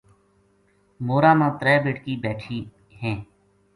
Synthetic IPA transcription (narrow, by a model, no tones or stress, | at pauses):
moːɾaːmãːt̪ɾɛːbeːʈkiːbɛːʈʰiː | ɦɛ̃ː